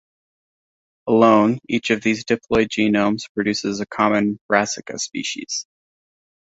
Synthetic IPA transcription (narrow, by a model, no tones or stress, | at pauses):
əlõʊ̃nit͡ʃʌvðizdɨpʰl̥ɔɪd͡ʒinõʊ̃mz̥pʰɹ̥ɨdʉsɨzɨkʰɑmɨ̃nb̥ɹæsɨkɨ̰spḭʃḭz̥